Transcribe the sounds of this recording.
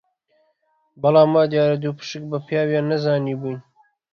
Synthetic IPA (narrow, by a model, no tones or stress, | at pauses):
bɐlɑːmːaːd̪jɑːɾɐd̪uːpʰɨ̥ʃɨk̚bɐpʰjɑːwjɑːnɐzɑːniːbujn